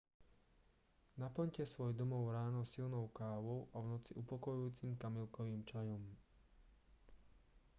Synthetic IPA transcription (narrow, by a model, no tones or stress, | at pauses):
napl̩ɲcɛsʋɔjd̪ɔmɔʊɾaːnɔsilnɔʊkaːʋɔʊʔavnɔt͡siʔupɔkɔjuuːt͡simkamilkɔʋiːmt͡ʃajɔm